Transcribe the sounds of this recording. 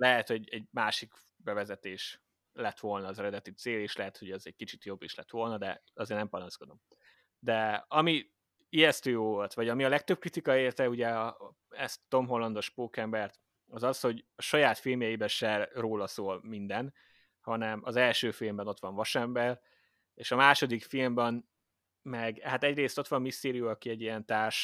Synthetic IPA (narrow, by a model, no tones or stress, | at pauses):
lɛɦɛt̪ho̞ɟɛɟmaːʃik | bɛvɛzɛt̪eːʃ | lɛt̪ʋo̞lnɒːzɛɾɛd̪ɛt̪it̪seːleːʃlɛɦɛt̪ho̞ɟɛzɛɟ̚kit͡ʃit̪jo̞bːeːʃlɛt̪ʋo̞lnɒd̪ɛɒzeːrnɛmpɒnɒsko̞d̪o̞m | d̪ɛɒmi | iɛst̪øːjoːvo̞lt̪ʋɒɟɒmiɒlɛk̚t̪øb̚kɾrit̪ikɒeːrt̪ɛuɟɛɒ | ɛst̪t̪ːo̞mɦo̞lːɒnd̪o̞ʃpoːkɛmbɛrt̪ | ɒzɒsho̞ɟɒʃɒjaːt̪filmjɛjibɛnʃɛroːlɒsoːlmind̪ɛn | hɒnɛmɒ̰zɛlʃøːfilmbɛno̞t̪ʋɒɱvɒʃɛmbɛr | eːʃɒmaːʃo̞d̪ikfilmbɛn | mɛɡhat̪ɛɟreːst̪o̞t̪ʋɒmːist̪eːɾijuɒkiɛɟːijɛnt̪aːrʃ